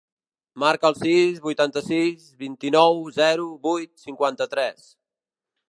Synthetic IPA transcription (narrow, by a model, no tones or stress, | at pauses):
maɾkəːlˠsizβujt̪ant̪əsizβint̪inɔwzɛɾuβujt̪siŋkwant̪ət̪ɾɛs